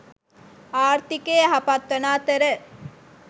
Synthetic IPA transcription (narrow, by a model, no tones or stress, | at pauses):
aːɾt̪ikeːɦapat̪ʋɐnaːt̪eɾe